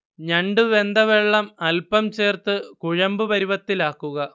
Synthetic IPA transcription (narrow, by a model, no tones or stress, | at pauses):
ɲɐɳɖɨʋe̞nd̪ɐʋeɭːɐmɐlpɐmt͡ɕe̞ːrt̪ɨkuɻɐmbɨʋɐɾuʋɐt̪ːilaːkːuɣɐ